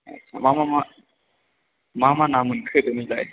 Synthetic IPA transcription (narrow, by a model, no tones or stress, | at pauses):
a̰t͡ɕʰamamama | mamanamɯnkʰɯt̪ɯmilaj